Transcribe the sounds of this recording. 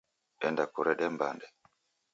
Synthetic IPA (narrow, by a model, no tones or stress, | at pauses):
ɛndakuɾɛɗɛmba̰ndɛ